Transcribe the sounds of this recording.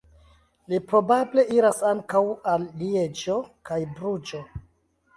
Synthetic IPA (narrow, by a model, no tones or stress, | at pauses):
lipɾo̞bable̞ʔiɾasaŋkawalːied͡ʒo̞kajbɾud͡ʒo̞